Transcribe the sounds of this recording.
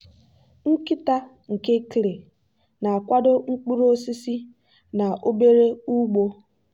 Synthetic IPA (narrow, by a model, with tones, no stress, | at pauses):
ŋ̩˦ki˦ta˦ | ŋ̩˨ke˦kɾe˨ | na˨a˨kʷa˦do˦ŋ͡m̩˦k͡pu˦ɾo˦si˦si˦ | na˨ʔo˦be˦ɾe˦u˦ɡ͡bo˦